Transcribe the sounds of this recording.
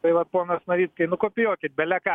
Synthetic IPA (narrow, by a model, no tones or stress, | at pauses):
tɐɪʋɐt̪poːnɐsnɐɾʲiːt̪kɐɪnʊkoːpʲɪjoːkʲɪt̪̚bʲɛlʲɛkɑ